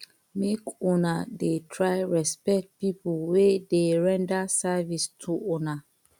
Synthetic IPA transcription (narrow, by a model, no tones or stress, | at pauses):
mekɔnadetʰɹajɹɛspɛk̚t̚pipulwedeɹɛ̃ndasavistʰuɔna